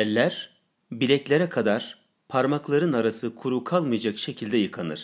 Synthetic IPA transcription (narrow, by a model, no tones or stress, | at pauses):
ɛlʲːæɾ̥ | bilʲɛclʲeɾɛkʰad̪aɾ̥ | pʰaɾmaklˠaɾɯnaɾasɯkʰuɾukʰalˠmɯjad͡ʒakʃe̞cʰilʲd̪ɛjɯkʰanɯ̰ɾ̥